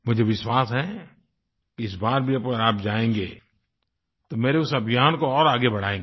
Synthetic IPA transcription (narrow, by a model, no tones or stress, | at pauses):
mʊd͡ʒʱeʋɪʃwaːsɦɛ̃ | ɪs̬baːɾbʱiɐpɡəɾaːp̚d͡ʒaːẽːŋɡeː | t̪omeːɾeʊsɐbʱijaːnkoɔːɾaːɡebɐɽ̤aːẽːŋ